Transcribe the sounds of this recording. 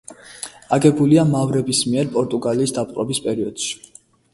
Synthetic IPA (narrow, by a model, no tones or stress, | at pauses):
aɡɛbuliamavɾɛbismiɛɾpʼɔɾt̪ʼuɡaliːsd̪ap̚ʼqʼɾɔbispʼɛɾiɔd̪̥ʃi̥